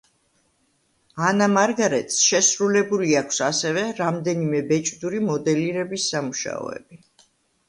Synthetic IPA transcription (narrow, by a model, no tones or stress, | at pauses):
anamaɾɡaɾɛt̪ʰʼsʃɛsɾulɛbuliakʷʰsasɛvɛɾamd̪ɛnimɛbɛt͡ʃʼd̪uɾimɔd̪ɛliɾɛbisːamuʃa̰ɔ̰ɛ̰bi